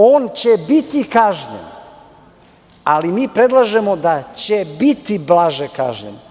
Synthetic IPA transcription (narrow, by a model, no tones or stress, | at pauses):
oːnt͡ɕebit̪ikaːʒɲḛn | alimiːpɾed̪lˠaʒe̞mo̞d̪at͡ɕebit̪iblaʒeka̰ːʒɲḛn